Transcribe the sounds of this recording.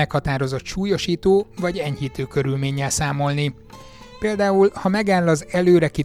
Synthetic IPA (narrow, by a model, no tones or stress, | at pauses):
ɛkhɒt̪aːɾo̞zo̞t̪ʃuːjo̞ʃiːt̪oːvɒɟɛɲhiːt̪øːkø̞ɾylmeːɲːɛlsaːmo̞lni | peːld̪aːulhɒmɛɡaːlːɒzɛløːɾɛki